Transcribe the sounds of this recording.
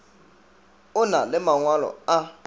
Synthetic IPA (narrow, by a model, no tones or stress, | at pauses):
ʊnalɪmaŋwalɔ̰a